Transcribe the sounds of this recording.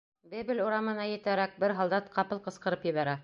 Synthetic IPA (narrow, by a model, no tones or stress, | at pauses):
bɘ̆bɘ̆luɾɑmɤ̆nɑjɘ̆t̪æɾæk̚bɘɾɦɑlˠd̪ɑt̪qʰɑpɤlˠqɤ̆sqɤ̆ɾɤpjɘ̆βæɾæ